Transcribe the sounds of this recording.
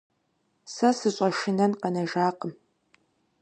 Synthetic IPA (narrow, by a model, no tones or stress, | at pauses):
sɐsɨɕʼɐʃɪnɐnqɐnɐʒaːqəm